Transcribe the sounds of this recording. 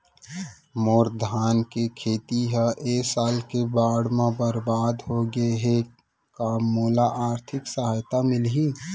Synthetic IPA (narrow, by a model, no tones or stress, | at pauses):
moːɾd̪ʱaːnkekʰeːt̪iɦaʔeːsaːlkebaːɽmãbəɾbaːd̪ɦoɡeɦe | kaːmːoːlaʔaːɾt̪ʰɪksəɦaːjt̪amɪlɦi